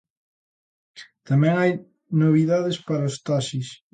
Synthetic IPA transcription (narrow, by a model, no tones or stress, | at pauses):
t̪amɛ̃ŋaj | noβ̞iðaðespaɾaost̪aʃis